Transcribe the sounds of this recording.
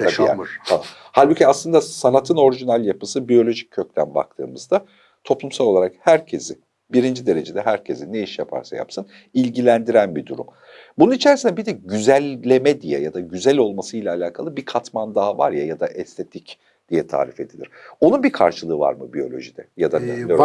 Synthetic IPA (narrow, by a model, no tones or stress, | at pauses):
t̪abit̪ʰaa | halʲbuciaslˠɯnd̪asanat̪ʰɯno̞ɾiʒinalʲjapɯsɯbijo̞lʲo̞ʒicʰːøc̚t̪ʰænba̰k̚t̪ʰɯ̰ːmɯzd̪a | t̪ʰo̞plˠumsalˠo̞lˠaɾakhæɾcʰe̞zɪ | biɾind͡ʒid̪e̞ɾe̞d͡ʒe̞d̪ɛɦæɾcʰe̞zine̞iʃjapʰa̰ɾsa̰ja̰psɯn | ilʲɟilʲænd̪iɾænbid̪uɾṵm | bununit͡ʃʰeɾsind̪ɛbid̪ɛɟyzælʲːe̞mɛd̪ijɛ̰jad̪aɟyzælʲo̞lˠmasɯjlʲaːlʲaːkʰalˠɯbikʰat̪mand̪ava̰ɾjajad̪aʔɛst̪ʰe̞t̪ʰic | d̪̥ijɛt̪ʰa̰ːɾife̞d̪ilʲiɾ̥o̞nunbikʰa̰ɾʃɯlˠɯːva̰ɾmɯbijo̞lʲo̞̰ʒid̪ɛjad̪anɛ